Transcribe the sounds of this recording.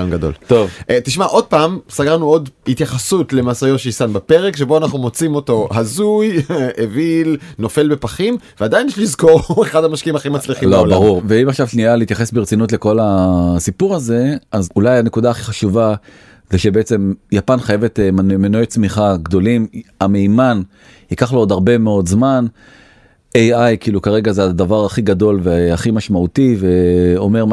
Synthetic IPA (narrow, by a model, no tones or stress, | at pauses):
anɡado̞̰lt̪ovʔt̪iʃmaʔo̞d̚paːmsaɡaʁnuo̞dhit̪jaχasutle̞maːsajoʃeisanbape̞ʁekʃe̞boanaχnumo̞t͡simo̞to̞hazujevilno̞fe̞lbe̞paχimveadajinjɛʃlizko̞ʁeχadamaʃkiimaχimat͡sliχĩlobaʁuʁveimaχʃavʃnialeitjaχe̞sbeʁt͡sinutle̞ko̞lasipuʁaze̞azulajane̞kud̪aːχiχaʃuva | zeʃebeet͡se̞mjapanχaje̞vet̪emmenojet͡smiχaɡd̪o̞limame̞iman | hikaχlood̪aʁbe̞meo̞d̪zman | ejajkiːlukaʁe̞ɡazead̪avaʁaχiɡad̪o̞lveaχimaʃmaut̪ive̞o̞me̞ʁ